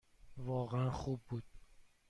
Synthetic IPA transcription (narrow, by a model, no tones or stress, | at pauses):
vɒːɣɛænxuːbːuːd̪̥̚